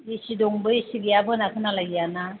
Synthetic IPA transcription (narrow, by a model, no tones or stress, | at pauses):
isidɔŋbɯisiɡijabɯɯnakʰɯnalaɡijana